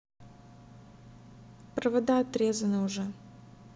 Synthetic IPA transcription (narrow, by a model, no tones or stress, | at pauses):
pɾəvɐd̪aɐt̪ɾʲezənəʊʐɛ